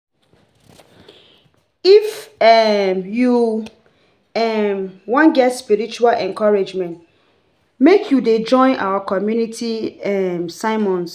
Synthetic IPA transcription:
ifɛmju | ɛmwɔ̃nɡɛtspiɹit͡ʃualʔɛ̃nkɔɹed͡ʒmɛ̃nt | mekʰjuded͡ʒɔ̃ɪ̃nʔa̰wakʰɔmjunitʰiɛmsaɪmɔ̃ns

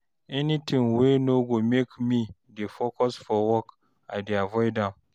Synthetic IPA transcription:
ʔɛnitʰɪ̃ŋwenoɡomekmidefɔkɔsfɔwɔk | adiavɔjdam

